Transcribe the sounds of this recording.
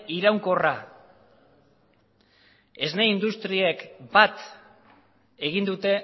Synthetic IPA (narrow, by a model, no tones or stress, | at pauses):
iɾawŋko̞ra | e̞zne̞ind̪ust̪ɾiekbat̪ | e̞ɣ̞ind̪ut̪e̞